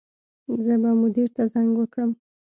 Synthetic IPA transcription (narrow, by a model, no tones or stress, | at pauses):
zəbamʊd̪iɾt̪azaŋɡwəkɽəm